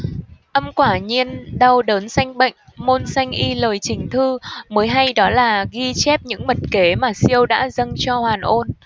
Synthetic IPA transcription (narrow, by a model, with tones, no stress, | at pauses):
ʔə˧mkwaː˧˩ɲi˧ənɗa˧wɗəː˨˦nsa˧jŋ̟ɓə̰˧˨jŋ̟mo˧nsa˧jŋ̟ʔi˧ləː˨˩jt͡ɕï˨˩ŋ̟t̪ʰɨ˧məː˨˦jɦa˧jɗɔ˨˦laː˨˩ɣi˧t͡ɕɛ˦˥p̚ɲɨ̰˧˥ŋmə˨˩t̚ke˨˦maː˨˩si˧əwɗa̰ː˧˥zə˧ŋt͡ɕɔ˧hwaː˨˩nʔo˧n